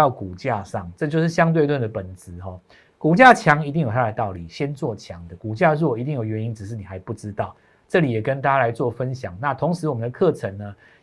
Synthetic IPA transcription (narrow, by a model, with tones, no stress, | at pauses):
ɑ˥˩ʊku˨˩t͡ɕja˥˧ʂɑ˥˩ŋʈ͡ʂɤ˥˧t͡ɕjo˥˧ʊʂɻ̩˥˩ɕjɑ˥ŋt̪we˥˧ɪ˧t̪wa˥˩nd̪ə˩pə˨˩nt͡sɹ̩˧˦ɦɔ˥˩ | ku˨˩t͡ɕja˥˧t͡ɕʰjɑ˧˦ŋi˧t̪i˥ŋjt̪ʰa˥la˨˧ɪt̪ɑ˥˩ʊli˨˩ɕjɛ˦nt͡swɔ˥˩t͡ɕʰjɑ˨˦ŋd̪ə˨ku˨˩t͡ɕja˥˧ɻɔ˥˨i˧t̪i˥˩ŋjo˨˩ʊɥɛ˧˦ni˦˥nʈ͡ʂɻ̩˨˩ʂɻ̩˥˩ni˨˩a˧˥ɪpu˥˩ʈ͡ʂɻ̩˦t̪ɑ˥˩ʊ | ʈ͡ʂɤ˥˨li˨˩jɛ˨˩kə˦nt̪a˥˩t͡ɕa˥la˧˦ɪt͡swɔ˥˩fə˦nɕjɑ˨˩ŋna˥˨˩t̪ʰʊ˧˦ŋʂɻ̩˧˦wɔ˨˩mə˨nd̪ə˧kʰɤ˥˨ʈ͡ʂʰə˧ŋnə˧